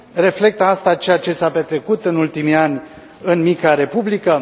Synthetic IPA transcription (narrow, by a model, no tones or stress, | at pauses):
re̞fle̞k̚t̪əast̪at͡ʃe̞jat͡ʃe̞sape̞t̪ɾe̞kut̪ɨnult̪imianʲ | ɨnmikaɾe̞publikə